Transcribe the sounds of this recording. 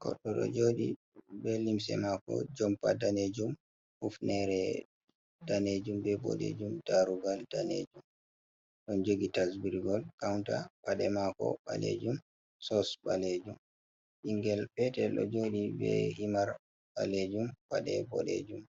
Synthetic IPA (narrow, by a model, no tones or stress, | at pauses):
kɔ̰ɗːɔɗɔ̰d͡ʒoɗi | bɛlimsɛ̰makɔ̰d͡ʒɔmpadaned͡ʒum | hufnɛɾɛ | daned͡ʒumbɛbɔ̰ɗḛd͡ʒumdaɾuɡaldanḛd͡ʒum | ɗɔnd͡ʒoɡitasbiɾɡɔlkawntaɓaɗɛmakɔ̰ba̰lḛd͡ʒum | sɔsbaled͡ʒum | ʔiŋɡɛlɓɛtɛɗɔd͡ʒoɗibɛ̰himaɾ | ɓaled͡ʒumbaɗɛbɔɗḛd͡ʒum